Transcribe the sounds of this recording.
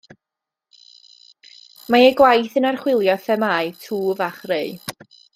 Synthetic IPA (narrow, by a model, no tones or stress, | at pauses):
maeɡwajθənarχwɪlˠjɔfɛmaɨtʰuːvaχreɨ